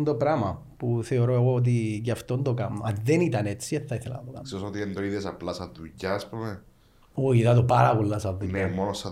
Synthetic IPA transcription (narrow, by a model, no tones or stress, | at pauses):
nd̪opɾɐmɐ | puθe̞oɾoeɣoot̪̬icɐft̪ond̪okɐnːoɐnðenit̪ɐne̞t͡sːieθɐiθelɐ̰nɐd̪okɐ̰nssesot̪iend̪oiðesɐplɐsɐðːujɐːspume | oiðɐt̪opɐɾɐpolːɐsɐðːunemonosɐ